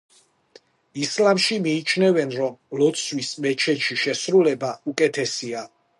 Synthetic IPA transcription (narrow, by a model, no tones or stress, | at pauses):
islamʃimiːt͡ʃʰnɛvɛnɾɔmlɔt̪sʰwismɛt͡ʃʰɛʃiʃɛsɾulɛbaukʼɛt̪ʰɛsia